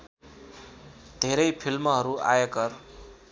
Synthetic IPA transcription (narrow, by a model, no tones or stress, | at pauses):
d̪̥ʱeɾʌjpʰilmʌɦʌɾua̰jʌkʌr